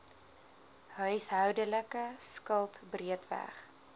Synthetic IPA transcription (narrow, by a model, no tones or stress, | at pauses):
ɦœɥsɦœwdələkəskəlˠtbriətvæ̰χ